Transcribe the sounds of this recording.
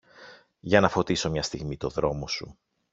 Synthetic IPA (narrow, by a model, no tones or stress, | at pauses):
ʝɐnɐfo̞t̪iso̞mɲɐst̪iɣmit̪o̞ðɾo̞mosṵ